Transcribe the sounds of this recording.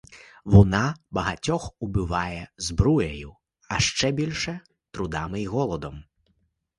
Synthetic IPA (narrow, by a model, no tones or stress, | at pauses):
vunabɐɣat͡sʲɔxubɨvajɛzbɾujɐju | aʂt͡ʂɛbʲilʲʂɛ | t̪ɾud̪amɨiɣɔlˠɔd̪ɐm